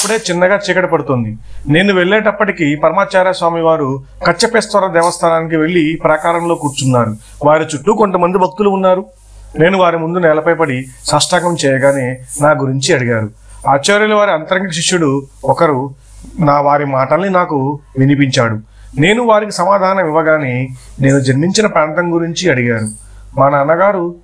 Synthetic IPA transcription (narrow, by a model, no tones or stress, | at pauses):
ɐpːuɽe̞ːt͡ʃinːɐɡaːt͡ʃɛːkɐʈɐpɐɽut̪ond̪i | ne̞ːnuʋe̞ɭːeːʈɐpːɐʈikipɐɾɐmaːt͡ʃaːɾjasʋaːmiʋaːɾu | kɐt͡ʃːɐpeːst̪ʋɐɾɐd̪ɛːʋɐst̪ʰaːnaːnik̬iʋe̞ɭːipɾɐkaːɾɐmlo̞ːkuːɾt͡ʃunːaːɾu | ʋaːɾit͡ʃuʈːuko̞nt̪ɐmɐnd̪ibʱɐk̚t̪uluunːaːɾu | ne̞ːnuʋaːɾimund̪unɛːlɐpɐjpɐɽisɐʂʈaːkɐmt͡ʃɛːjɐɡaːneːnaːɡuɾiɲt͡ʃiɐɽiɡaːɾu | aːt͡ʃːɐːɾjɐluʋaːɾiɐnt̪ɐɾɐŋɡɐʂiʂjuɽuɔkɐɾu | naːʋaːɾimaːʈɐlːinaːkuʋinipiɲt͡ʃaːɽu | ne̞ːnuʋaːɾikisɐmaːd̪ʱaːnɐmiʋɐɡaːnene̞ːnud͡ʒɐɾmiɲt͡ʃinɐpaːɳʈ̪ɐŋɡuɾiɲt͡ʃiɐɽiɡaːɾu | mɐnɐːnɐɡaːɾu